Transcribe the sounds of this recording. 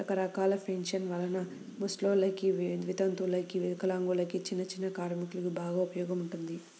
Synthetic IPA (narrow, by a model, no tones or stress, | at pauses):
ɐkɐɾɐkaːlɐpʰenʃɐnʋɐlɐnɐ | musʈloːlɐkiʋd̪ʋit̪ɐnt̪ulɐkiʋikɐlaːŋɡulɐkit͡ʃinːɐt͡ʃinːɐkaːɾmikulɐkibaːɡaːupɐjɔːɡɐmuɳʈund̪i